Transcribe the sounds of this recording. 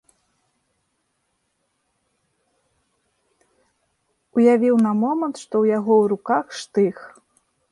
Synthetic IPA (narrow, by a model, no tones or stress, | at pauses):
ujavʲiwnɐmɔmɐnt̪ʂt̪ɔwjaɣɔwɾukaxʂt̪ɨx